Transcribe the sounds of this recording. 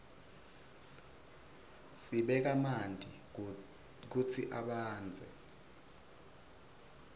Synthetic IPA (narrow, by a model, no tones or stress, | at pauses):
siɓɛk̬amandʱʼi | k̬ut͡sʰiʔaɓaːnd͡zʱɛ̰